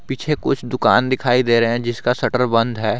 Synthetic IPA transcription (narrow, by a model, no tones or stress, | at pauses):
piːt͡ʃʰekʊt͡ʃʰd̪ʊka̰ːnd̪ɪkʰaːid̪eːɾɐɦɛ̃d͡ʒɪskasɐʈəɾbɐ̃nd̪ʱɦɛː